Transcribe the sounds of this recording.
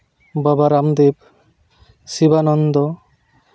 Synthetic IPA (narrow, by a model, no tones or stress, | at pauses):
babaɾamd̪eb | sibanɔnd̪ɔ